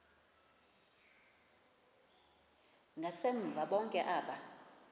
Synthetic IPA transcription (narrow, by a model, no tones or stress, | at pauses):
ŋɡʱaseɱ̩vʱaɓɔŋkʼɛʔaːɓa